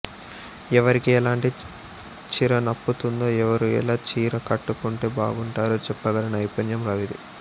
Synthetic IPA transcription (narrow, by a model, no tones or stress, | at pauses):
ɛʋɐɾikiɛlaːɳʈi | t͡ʃiɾɐnɐpːut̪und̪o̞ːɛʋɐɾuɛ̰laːt͡ʃiːɾɐkɐʈːukuɳʈeːbaːɡuɳʈaːɾoːt͡ʃɛpːɐɡɐlɐnɐɐjpɐnjɐmɾɐʋid̪i